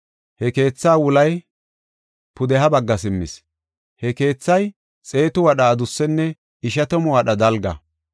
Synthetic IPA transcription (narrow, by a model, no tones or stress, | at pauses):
hɛke̞ːt͡sːaːwʊlɐj | pʊd̪ɛɦɐbɐɡːɐsɪmːɪ̰s | hɛke̞ːt͡sːɐj | t͡sʼe̞ːt̪ʊwɐɗaːd̪ʊsːɛnːɛ | ɪʃ̬ɐt̪ɔmʊwɐɗɐd̪ɐlɡɐ̰